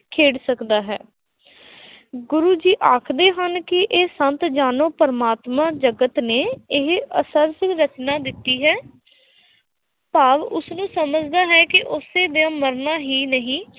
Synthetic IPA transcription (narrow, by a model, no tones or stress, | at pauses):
kʰeːɽsəkd̪aːɦɛ̰ː | ɡʊɾuːd͡ʒiːʔaːkʰd̪eːɦənkɪʔeːsənt̪d͡ʒaːnoːpəɾəmaːt̪mãːd͡ʒəɡət̪neːɪɦəsəɾsɪkɾət͡ʃnaːd̪ɪt̪ːiːɦɛː | paːʋʊsnũːsəməd͡ʒd̪aːɦɛːkɪʔʊseːd̪jãːməɾnaːɦiːnəɦĩː